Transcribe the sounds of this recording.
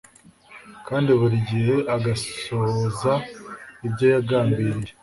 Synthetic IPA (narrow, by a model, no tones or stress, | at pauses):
kaːndiβuɾiɟihe̞ʔaɡasozaibɟojaɡaːmbiːɾiɾe